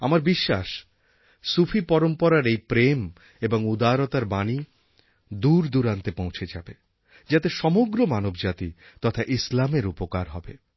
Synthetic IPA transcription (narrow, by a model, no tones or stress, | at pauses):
amaɾbiʃːa̰ʃ | sufʰipɔɾompɔɾaɾejpɾem | eboŋud̪aɾot̪aɾbani | d̪uɾd̪uɾant̪epõw̃t͡ɕʰed͡ʑa̰be | d͡ʑat̪eʃɔmoɡɾomanobd͡ʑat̪ḭ | t̪ɔt̪ʰaʔislameɾupokaɾɦɔ̰be